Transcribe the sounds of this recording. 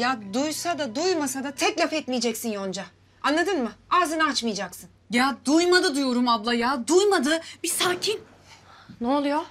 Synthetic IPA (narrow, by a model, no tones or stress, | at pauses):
jad̪ujsad̪ad̪ujmasad̪at̪ʰɛclʲafɛt̪mijed͡ʒɛcsinjo̞nd͡ʒa | anlˠad̪ɯnmɯaːzɯnat͡ʃmɯjad͡ʒaksɯnjad̪ujmad̪ɯd̪ujo̞ɾumablˠajaːd̪ujmad̪ɯbisaːcʰin | neolˠujo